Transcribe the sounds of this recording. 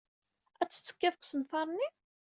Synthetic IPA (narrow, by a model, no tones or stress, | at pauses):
æt͡sːə̥t͡sːə̥kːæfəkʷsənfɑɾˤnːi